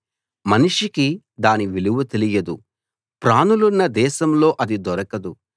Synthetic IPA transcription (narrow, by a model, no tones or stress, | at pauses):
mɐniʂiki | d̪aːniʋiluʋut̪elijɐd̪u | pɾaːnulunːɐd̪ɛːʃɐmlo̞ːʔɐd̪id̪ɔɾɐkɐd̪u